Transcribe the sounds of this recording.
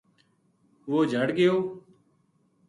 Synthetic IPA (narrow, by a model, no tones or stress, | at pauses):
ʋoːd͡ʒʱəɽɡɪjoː